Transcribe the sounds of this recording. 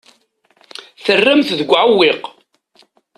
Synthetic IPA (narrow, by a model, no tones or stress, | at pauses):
θərːəmθðəɡʷːʕʊwːɪq